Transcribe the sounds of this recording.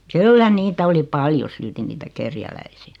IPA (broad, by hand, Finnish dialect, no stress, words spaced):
kylːæ niːtæ oli pɑljo silti niːtæ kerjælæisiæ